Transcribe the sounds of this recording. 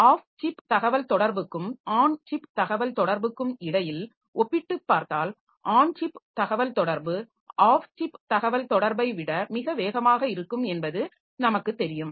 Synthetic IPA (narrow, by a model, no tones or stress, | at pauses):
aːft͡ʃɪpt̪ɐɣɐʋɐlt̪ɔɽɐɾbɯkːɯmaːɳt͡ʃɪpt̪ɐɣɐʋɐlt̪ɔɽɐɾbɯkːɯmɪɽɐjɪl | ʔɔpːɪʈːɯpːaːɾt̪aːl | ʔaːɳt͡ʃɪpt̪ɐɣɐʋɐlt̪ɔɽɐɾbɯ | ʔaːft͡ʃɪpt̪ɐɣɐʋɐlt̪ɔɽɐɾbɐɪʋɪɽɐmɪɣɐʋeːɣɐmaːɣɐɪɾɯkːɯmɛnbɐðɯ | nɐmɐkːɯt̪ːɛɾɪjɯm